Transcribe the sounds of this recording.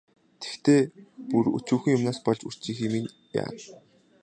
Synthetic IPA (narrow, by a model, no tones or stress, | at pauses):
t̪ʰe̥xt̪eːpuɾṵt͡ɕuːxɘ̆ŋjʊmnaːspɔɮt͡ɕur̥t͡ɕiːxiːmin | ja̰ːt̪